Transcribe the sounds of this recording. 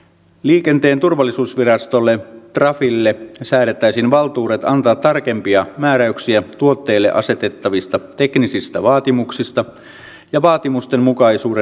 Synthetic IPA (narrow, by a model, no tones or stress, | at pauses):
liːke̞nt̪e̞ːnt̪urʋɑlːisuːsʋirɑst̪olːet̪rɑfilːesæːlet̪ːæisinʋɑlt̪uːɾe̞t̪ɑnt̪ɑːt̪tːɑrke̞mpiɑmæːɾæyksiæt̪uo̞t̪ːe̞ːlːeʔɑ̰se̞t̪e̞t̪ːɑʋist̪ɑt̪e̞knisist̪æʋɑːt̪imuksist̪ɑ | jɑʋɑːt̪imust̪e̞nmukɑisuːɾe